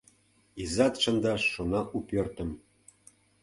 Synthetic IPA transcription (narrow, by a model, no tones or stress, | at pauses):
izɑt̪ʃɤ̆nd̪ɑʃːonɑkupørt̪ə̆m